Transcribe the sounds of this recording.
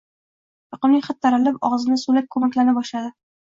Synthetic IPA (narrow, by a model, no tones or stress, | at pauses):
jʊqɨmnɪŋʲχat̪ʰːaɾalɪpɒʁzɪnɪsulap̚kʰɵmakʲlanɪbɒʃlad̪ɪ